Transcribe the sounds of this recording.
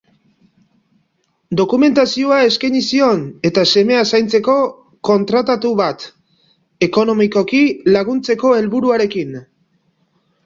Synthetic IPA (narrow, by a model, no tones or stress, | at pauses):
d̪o̞kume̞nt̪asioae̞skajɲisio̞ne̞t̪ase̞me̞asajnt͡se̞ko̞ | ko̞nt̪ɾat̪at̪uβat̪ | e̞ko̞no̞miko̞kilaɣ̞unt͡se̞ko̞e̞lβuɾuaɾe̞kin